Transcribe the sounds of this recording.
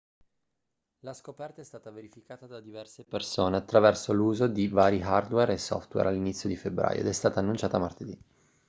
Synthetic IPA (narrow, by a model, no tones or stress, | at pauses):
laskopɛrt̪aɛst̪aːt̪aveɾifikaːt̪ad̪ad̪ivɛrsepersoːneat̪ːɾavɛrsoluːzod̪ivaːɾiɦard̪wɛɾesɔ̰ft̪wɛ̰ɾalːinit̪sːjod̪ifebːɾa̰ːjo̰ed̪ɛst̪aːt̪aːnːunt͡ʃaːt̪amart̪ed̪i